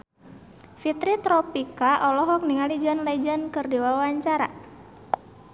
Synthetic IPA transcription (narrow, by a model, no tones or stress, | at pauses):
fit̪ɾit̪ɾɔpikaʔɔlɔɦɔk̚niŋalid͡ʒənlɛd͡ʒənkɨrdiwawaɲt͡ʃaɾa̰